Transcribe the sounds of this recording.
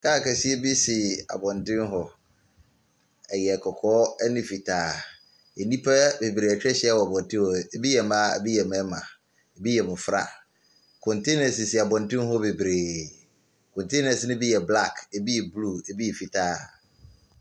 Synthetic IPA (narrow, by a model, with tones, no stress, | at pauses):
kaː˦˨kʰɛ˨si˦ɛ˦bi˦sɪ˨a̰˨bɔ̃˨ndɪ̃˦m˦ɦɔ˨ | ɛ˨jɛ˨kʰɔ˨kʰɔː˦ɛ˦nɪ̃˨fi˨tʰaː˦ | e˨nĩ˦pʰa˦be˨bɾe˨æ˨t͡ɕᶣɛ˦ɕɪ˦a˦˨wɔ˨a˨bɔ̃˨n˨tʰɪ̃˦ɔ˨e˨bi˦jɛ˨mã̰˦˨bi˦jɛ˨mɛ̃˦mã˨ | e˨bi˦jɛ˨mʊ̃˨fɾa̰˨ | kʰɔ̃˨ntʰe˦nɛ̃˨nsi˨si˨a˨bɔ̃˨ntɪ̃˦m˦ɦɔ˦be˨bɾeː˨ | kʰɔ̃˨ntʰe˦nɛ̃˨snʊ̃˦bi˦jɛ˨bla˦˨kʰe˨bi˦jɛ˨blu˦e˨bi˦ɛ˨fi˨tʰaː˦